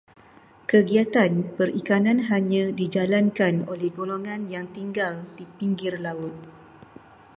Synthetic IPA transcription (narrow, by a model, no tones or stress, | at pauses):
kəɡiat̪anpərikanãnɦaɲãdid͡ʒalankanolɛhɡoloŋãnjaŋt̪iŋɡaldipiŋɡɪrlaʊt̪̚